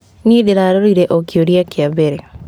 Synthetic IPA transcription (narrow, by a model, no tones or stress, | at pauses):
nideɾaɾoɾiɾeʔokjoɾiakiabeɾe